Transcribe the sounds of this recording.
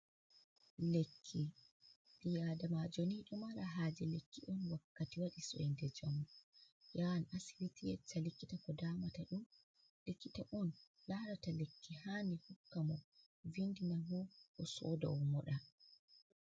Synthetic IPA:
lekʰːi | ɓijadamad͡ʒoniːɗɔmaɾaɦaːd͡ʒɛlekːiʔɔnwakːatiwaɗisɔ̰jndɛd͡ʒamɔ | jawanʔasiɾitijɛ̰t͡ʃːalikːitakɔdaːmataɗum | likːitaʔɔn | laɾatalekːihaːnihukːamɔ | vindinaɦɔʔɔsɔ̰da̰wɔmɔɗa

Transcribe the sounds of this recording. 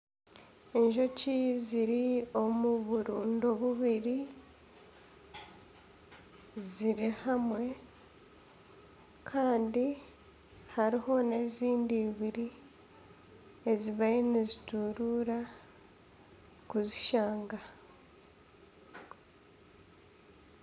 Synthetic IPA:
eɲʒo̞ciziɾio̞muβuɾuːndo̞βuβiɾi | ziɾihamwe̞ | kʰaːndi | haɾiho̞ne̞ːziːndiːβiɾi | e̞ziβainezituɾuɾa | kuziʃaːŋɡa

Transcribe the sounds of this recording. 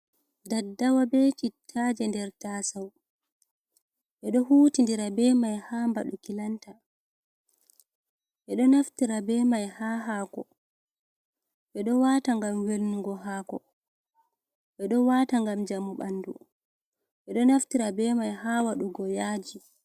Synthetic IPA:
dadːawabɛt͡ʃitʰːad͡ʒɛndɛɾtaːsaw | ʔɛɗɔhuːtindiɾabɛmajhamba̰ɗukilanta | ʔɛɗɔnaftiɾabɛmajhaːɦaːkɔ | ɓɛɗɔwataŋɡamwelnuɡɔɦaːkɔ̰ | ɓɛɗɔwataŋɡamd͡ʒamuɓa̰nːdṵ | ʔɛɗɔnaftiɾabɛmajhaːwaɗuɡɔjaːd͡ʒi

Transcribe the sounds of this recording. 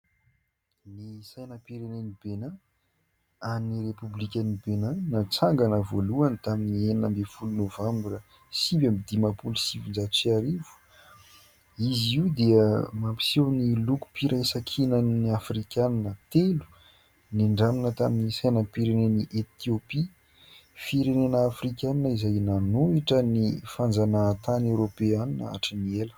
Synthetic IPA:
nisajnəpiɾenenibena | annirepublikʲanibenanat͡saŋɡanəvoluanit̪aminieninəmbefulunovambɾə | sibamid̪imapulusivind͡zat̪usiaɾivu̥ | iziwd̪eəmampi̥sewniluku̥piɾʔasakʰinəniafrikʲananət̪elu̥ | niɳɖ͡ʐaminət̪aminisajnəpiɾeneniʔet̪iopi | fiɾenenəːfrikʲananizajnanuiʈ͡ʂənifand͡zanəːt̪anewɾopeaninəa̰ʈ͡ʂənielə̥

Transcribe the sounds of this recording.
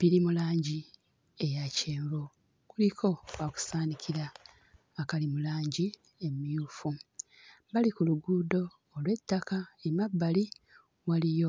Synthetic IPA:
biɾimulaːɲɟi | ejaceːmbo | kulikʰo̞waku̥saːnikʰiɾaː | kalimulaːɲɟi | emijuːfu | balikuluɡuːdo̞ː | lwe̞tːakaemabːali | walijo̞

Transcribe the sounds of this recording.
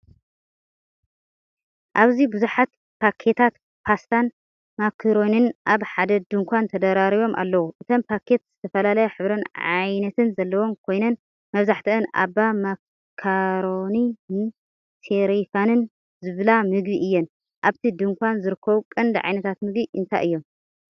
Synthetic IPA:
ʔaβzibɨzuħat̪̚ | pʰakʰːet̪ʰat̪ | pʰast̪ʰan | makʰːɐɾo̞nɨnʔaβħad̪ɐd̪ɨŋkʷʰant̪ʰɐd̪ɐɾaɾiβo̞mʔa̰lːɐwuʔɨt̪ʰo̞mpʰakʰe̞t̪z̥ɨt̪ʰɐfɐlalɐjɐħɨβɾɐnʕa̰jnɐt̪ʰɨnzɐlːɐwo̞mkʰo̞jnɐn | mɐβzaħt̪ʰɐʔɨnʔa̰bːama | kʰaɾo̞ni | sʰeɾifanɨn | zɨβlamɨɡbiʔɨjːɛn | ʔaβt̪ʰid̪ɨŋkʷʰanzɨɾɨkʰːɐβukʼɐnd̪ɨʕa̰jnɐt̪ʰat̪mɨɡbiʔɨnt̪ʰa̰jʔɨjːo̞m

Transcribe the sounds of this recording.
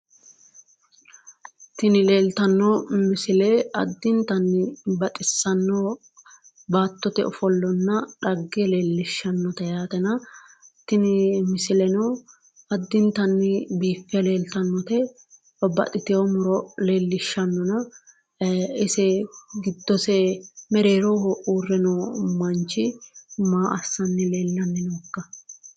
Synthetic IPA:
t̪ɪnɪleːlt̪ɐnːɔmɪsɪlɛɐ̰d̪ːɪnt̪ɐnːɪbɐt̪ʼɪsːɐnːɔ | baːt̪ːɔt̪ɛɔfɔlːɔnːɐᶑɐɡːɛle̞ːlːɪʃːɐnːɔt̪ɐjaːt̪ɛnɐ | t̪ɪnɪmɪsɪlɛnɔ | ɐd̪ːɪnt̪ɐnːɪbiːfːɛle̞ːlt̪ɐnːɔt̪ɛ | ɐbɐ̰t̪ʼːɪt̪ɪjomɔɾɔle̞ːlːɪʃːɐnːɔnɐ | ɪsɛɡɪd̪ːɔsɛmɛɾeːɾohʔuːrːɛnɔːmɐnt͡ʃːɪmaːʔɐsːɐnːɪleːlːɐnːɪnɔkːɐ

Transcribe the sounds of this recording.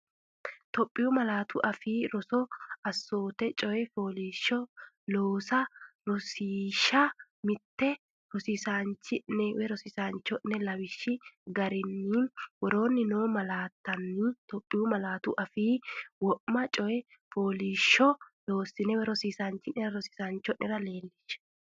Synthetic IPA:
t̪ɔpʼːɪjʊmɐlaːt̪ʊʔɐfiːɾɔsɔɐsːo̞ːt̪ɛt͡ʃʼɔɛfo̞ːliːʃːɔ | loːsɐɾɔsiːʃɐ | mɪt̪ːɛ | ɾɔsɪsaːnt͡ʃːɪnɛwɛɾɔsɪsaːnt͡ʃːɔnːɛlɐwɪʃːɪɡɐɾɪnːiːnwɔɾo̞ːnːɪnoːmɐlaːt̪ːɐnːɪt̪ɔpʼːɪumɐlaːt̪ʊ̰ʔɐfiːwɔʔmːɐt͡ʃʼɔjɛ | fo̞ːliːʃːɔloːsɪnɛwɛɾɔsiːsaːnt͡ʃːɪnːɛɾɐɾɔsɪ̥saːnt͡ʃːɔʔʔɪɾɐle̞ːlːɪʃːɛ̥

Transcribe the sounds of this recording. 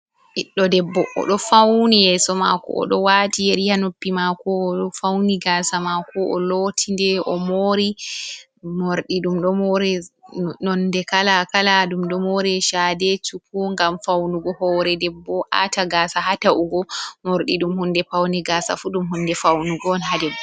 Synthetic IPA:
ʔiɗːɔdɛbːɔʔɔ̰ɗɔfawnijɛsɔmakɔ̰ʔɔ̰ɗɔwatijeɾihanopːimakɔːɗɔfawniɡasamakɔʔɔ̰lotʰindɛʔɔmoɾi | moɾɗiɗumɗɔmoɾɛnɔndɛkalakalaɗumɗɔmoɾɛʃadɛt͡ʃukuŋɡamfawnuɡɔhɔɾɛdɛbːɔʔa̰taɡasaɦataʔuɡɔmoɾɗiɗumhundɛpawnɛɡaːsa̰fuɗumɦundɛfawnuɡɔnɦadɛbːɔ

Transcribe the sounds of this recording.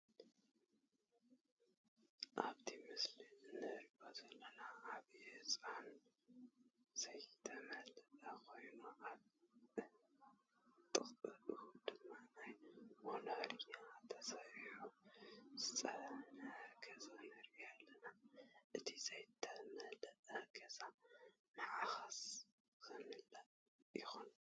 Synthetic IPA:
ʔaβt̪ʰimɨsliɨnːɨɾbazɐlːɐnaːβiɨsʼan | z̥ɐjt̪ʰɐmɐlɐt̪ʼakʰo̞jnuʔaβ | t̪ʼɨχʼɨlʼuhd̪̥ɨmːanajmonɐhɾiɲat̪ʰːɐsahiħuzɨt͡sʼɐnɐɡɐzanɐɾialːɐnaʔɨt̪ʰi̥zɐjt̪ʰɐmɐhlɐʔɐɡɐza | nɨʕaxas | kʰɨnɨlɐ | jɪxun

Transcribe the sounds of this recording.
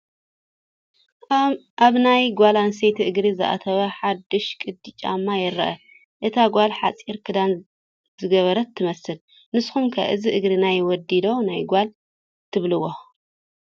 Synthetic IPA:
ʔaβnajɡʷalansejt̪ʰiʔɨɡɾizɨ̰ʔa̰t̪ʰɐβɐħad̪ːɨʃkʼɨd̪it͡ʃʼa̰mːajɪɾɐʔɐ | ʔɨt̪ʰaɡʷalħat͡sʼiɾkʰɨd̪an | zɨɡɐβɐɾɐt̪ʰːɨmɐsɨl | nɨsxumkʰɐ̰ʔɨziʔɨɡɾinajwɔd̪ːid̪o̞najɡʷal | t̪ʰɨβlɨwo

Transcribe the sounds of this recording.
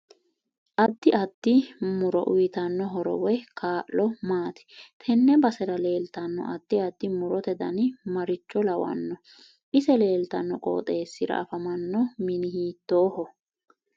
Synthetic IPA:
ʔɐd̪ːɪɐd̪ːɪmʊɾɔ̰ʔʊjt̪ɐnːɔɦɔɾɔ̰wɛkʰaːʔlɔmaːt̪ɪ̥t̪ʰɛnːɛbɐsɛɾɐle̞ːlt̪ɐnːɔ̰ʔɐd̪̥ːɪɐd̪ːɪmʊɾɔt̪ɛd̪ɐnɪmɐɾɪt͡ʃːɔlɐwɐ̰nːɔ | ʔɪsɛle̞ːlt̪ɐnːɔkʼo̰ːt̪ʼe̞ːsːɪɾɐ̰ʔɐfɐmɐnːɔmɪnɪhiːt̪ːoːhɔ

